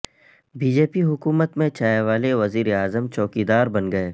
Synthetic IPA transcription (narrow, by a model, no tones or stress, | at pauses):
biːd͡ʒeːpiɦʊkuːmət̪mẽt͡ʃaːjeʋaːleʋɐziːɾeaːzəmt͡ʃɔːkid̪aːɾbɐnɡɐeː